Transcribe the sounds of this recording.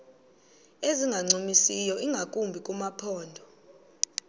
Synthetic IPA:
eziŋɡʱaŋ͡ǀimisijɔʔiŋɡʱakʼumbʱikʼumapʰɔːndʱɔ

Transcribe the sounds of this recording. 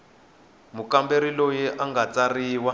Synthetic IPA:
mukambeɾilojiʔaŋɡat͡sariːwa

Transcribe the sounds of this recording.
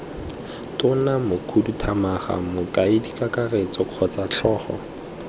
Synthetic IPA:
tʊnamʊkʰudutʰamaχa̰mʊkʼaidikʼakaret͡sɔq͡χʰɔt͡saɬʰɔːχɔ̰

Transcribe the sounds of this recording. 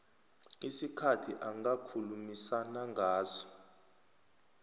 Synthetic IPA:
isikʰatʰiʔaŋakʰulumisanaŋɡʱaːzɔ̥

